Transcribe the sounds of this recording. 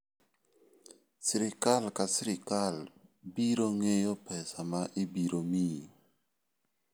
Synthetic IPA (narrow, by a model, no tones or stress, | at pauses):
sɪɾɪkalkasɪɾɪkalbiɾoŋejɔpɛsamaʔɪbiɾomi